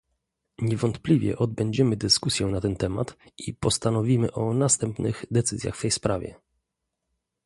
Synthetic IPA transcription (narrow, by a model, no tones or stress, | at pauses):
ɲɛvɔnt̪plʲivʲjɛ̰ʔɔd̪bɛɲd͡ʑɛmɘd̪ɘskusʲjɛw̃nat̪ɛnt̪ɛma̰t̪ipɔst̪anɔvʲimɘʔɔnast̪ɛmpnɘɣd̪ɛt̪sɘzʲja̰xft̪ɛjspɾavʲɛ̰